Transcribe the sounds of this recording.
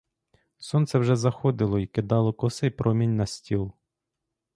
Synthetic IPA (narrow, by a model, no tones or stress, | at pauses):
sɔnt̪sɛwʒɛzɐxɔd̪ɪlˠɔikɪd̪ɑlˠɔkɔsɪpɾɔmʲinʲnɐsʲtʲilˠ